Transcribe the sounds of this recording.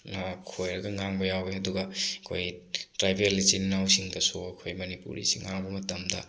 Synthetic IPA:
nɐkʰojɾɐɡɐŋaŋbɐjaweɐduɡɐɐkʰo̰jtɾajbelit͡ʃinnawsiŋdɐsuɐkʰojmɐnipṵɾḭsiŋːaŋbɐmɐtɐmdɐ̰

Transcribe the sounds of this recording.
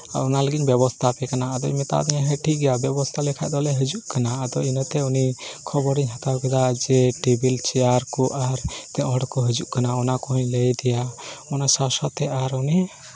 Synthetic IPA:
a̰ɾɔnaləɡicbɛβɔst̪ʰapɛkanaːd̪ɔmɛt̪a̰ʔd̪ɛɲaɦɛʈʰiɡɛjabjɛbɔst̪ʰalɛkʰa̰ʔd̪ɔlɛɦɛd͡ʒuʔkanaːd̪ɔinət̪ɛunikʰɔbɔɾiɲɦat̪awkɛd̪ad͡ʒɛʈibilt͡ʃɛjaɾkɔʔaɾt̪ɛʔɦɔ̃ɽkɔɦɛd͡ʒuʔkanaɔnakɔɦɔɲləjd̪ɛjaɔnasasat̪ɛaɾuni

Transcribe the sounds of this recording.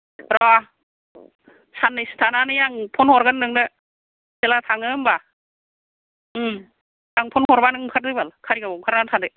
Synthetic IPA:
ɾɔ | sanɯstʰananɯjaŋpʰunhɔɾɡɯnːɯŋdɯ | kelatʰaŋɯmba | ɯ | jaŋpʰunhɔɾbanɯŋmkʰaɾ̚dɯjbalkʰaɾiɡabɔmkʰaɾɡantʰadɯ

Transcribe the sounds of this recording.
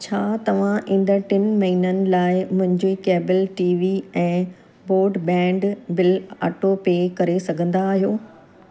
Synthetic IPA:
t͡ɕʰaːt̪ɐʋ̤ãʔɪ̃nd̪əʈɪnmɐɦinənɪ̆laːɪmʊ̃ɦɪ̃ɲd͡ʑoikeːbəlʈiːʋiɛ̃ː | boːɾɖbɛ̃ːɳɖbɪla̰ːʈopeːkɐɾesɐɡʱə̃nd̪aːɦijoː

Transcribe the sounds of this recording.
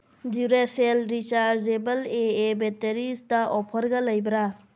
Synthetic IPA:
duɾeselɾit͡ʃaɾzebɐleebeteɾistɐʔɔpʰɐɾɡɐlɐjbɾa

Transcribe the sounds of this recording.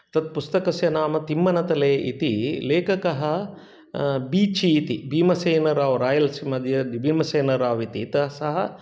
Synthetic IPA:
t̪ɐt̪̚pust̪ɐkɐsjɐnaːmɐt̪imːɐnɐt̪ɐleːʔḭt̪ḭleːkɐkɐɦɐ̆ | biːt͡ʃiːt̪ibiːmɐseːnɐɾaːʋɾaːjɐlsimɐd̪jɐd̪ibʱiːmɐseːnɐɾaːʋit̪it̪ɐsɐɦɐ

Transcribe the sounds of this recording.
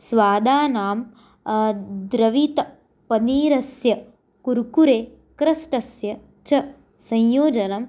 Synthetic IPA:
sʋaːd̪aːnaːm | d̪ɾɐʋit̪ɐ | pɐniːɾɐsjɐ | kuɾkuɾeː | kɾɐsʈɐsjɐ | t͡ʃɐ | sɐ̃jjoːd͡ʒɐnɐm

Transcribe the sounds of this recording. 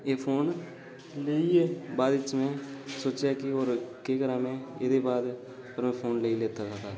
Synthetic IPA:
eːpʰoːn | leːieːbaːd̪ɪt͡ʃmɛ̃ːsoːt͡ʃjaːkɪoːɾkeːkəɾãːmɛ̃ːeːd̪eːbaːd̪ | pəɾmɛ̃ːpʰoːnleileːt̪aːsaːt̪aː

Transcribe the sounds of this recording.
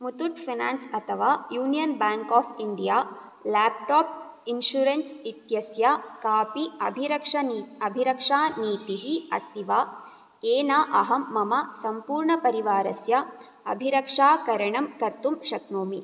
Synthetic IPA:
mut̪uʈfʰinaːnsɐt̪ʰɐʋaːjuːnijɐnbaːŋkaːfʰiɳɖijaː | laːp̚ʈaːp̚ | inʃuɾensit̪jɐsjakaːpiɐbʱiɾɐkʂɐnɐbʱiɾɐkʂaːniːt̪iɦiɐ̰st̪ʰiʋaː | eːnaːʔɐɦɐmːɐmɐsɐmpuːɾɳɐpɐɾiʋaːɾɐsjɐ | ɐ̰bʱiɾɐkʂaːkɐɾɐɳɐmkɐɾt̪umʃɐknoːmi

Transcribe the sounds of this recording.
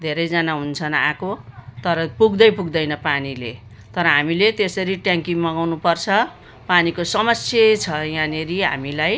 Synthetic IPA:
d̪ʱeɾʌjd͡zanaɦunt͡sʰʌnakot̪ʌɾʌpuɡd̪ʌjpuɡd̪ʌjnʌpanile | t̪ʌɾʌɦamilet̪esʌɾiʈjãŋkiŋmʌɡawnupʌrt͡sʰʌ | panikosʌmʌsʰjet͡sʰʌjãneɾiɦa̰milaj

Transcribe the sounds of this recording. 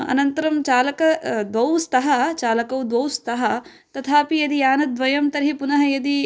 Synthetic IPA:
ɐ̰nɐnt̪ɐɾɐmt͡ʃaːlɐkɐd̪ʋɐwst̪ɐɦɐt͡ʃaːlɐkɐwd̪ʋɐwst̪ʰɐɦɐ | t̪ɐt̪ʰaːpijɐd̪iaːnɐd̪ʋɐjɐmt̪ɐɾɦipunɐɦɐjɐd̪i

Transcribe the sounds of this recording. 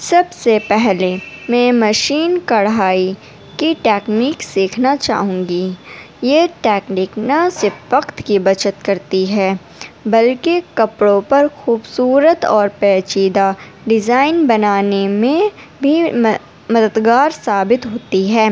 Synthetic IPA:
sɐbsepɛɦlemɛ̃ːmɐʃiːnkɐɽɦaːi | kiʈɛːkniːksiːkʰnat͡ʃa̰ːɦũːŋɡi | jeʈɛːkniːknɐsɪɾfʋɐqt̪kibɐt͡ʃət̪kɐɾt̪iɦɛː | bɐlkekɐpɽõpɐɾxuːbsuːɾət̪ɔːɾpɛːt͡ʃiːd̪a | ɖɪzaːɪnbɐnaːnemẽbʱi | mɐd̪əd̪ɡaːɾsaːbɪt̪ɦoːt̪iɦɛː

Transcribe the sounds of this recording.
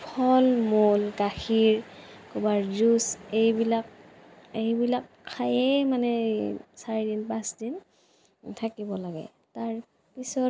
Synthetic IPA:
pʰɔlmolkaxiɹkɔbaɹzusejbilak̚ | ejbilakʰːajɛmanɛsaɹidinpasdin | tʰakibɔlaɡɛ̰ | taɹ | pisɔ

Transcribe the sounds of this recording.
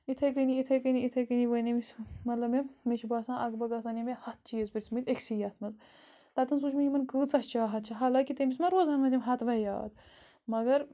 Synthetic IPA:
it̪ʰɐjk̬əniit̪ʰɐjkəniit̪ʰɐkɨniʋənemisʲmɐt̪lɐmemiʃʰibaːsãːʔɐɡbɐɡas̬aːnimehɐt̪̚ʰt͡ʃiːzpʲiɾʲsmɨt̪ʲekʲsijɐt̪ʰmɐz | t̪ɐt̪ɨns̬ut͡ʃʰmijimɐnkɨːt͡sɐʃt͡ʃaːɦɐt̪̚t͡ʃʰaɦaːlaːkit̪emismɐɾoːzɐnmɐnd̪ʲimɦɐt̪ʰʋɐja̰ːd̪̚ | mɐɡɐɾ

